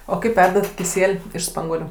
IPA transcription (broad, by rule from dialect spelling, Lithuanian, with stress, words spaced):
oː ˈkɐɪp ˈʋʲɛrdɐt kʲɪˈsʲiɛlʲ ɪʃ ˈspɐŋɡuɔlʲʊ